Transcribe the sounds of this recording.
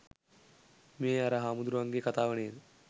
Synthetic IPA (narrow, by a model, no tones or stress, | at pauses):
meːjaɾaɦaːmud̪ɾuʋaŋɡekɐt̪aːʋɳeːɾ